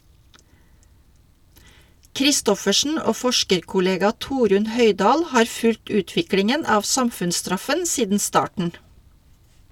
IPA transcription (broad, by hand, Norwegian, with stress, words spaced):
kɾɪˈstɔfəʃn̩ ˈoː ˈfɔʃkəɾkʊˌleːɡɑ ˈtuːɾʉn ˈhœɪˌdɑːl ˈhɑːɾ ˈfʉlt ˈʉːtʋɪklɪŋən ˈɑːʋ ˈsɑmfʉnsˌstɾɑfən ˈsiːdn̩ ˈstɑːʈɳ̩